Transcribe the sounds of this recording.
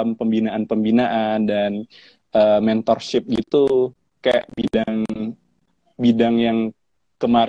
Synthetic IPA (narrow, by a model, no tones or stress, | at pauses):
mpəmbinaanpəmbinaʔandan | ʔəmɛnt̪ɔrʃɪp̚ɡit̪u | kaja̰ʔbidaŋ | bidaŋjaŋ | kəmaɾ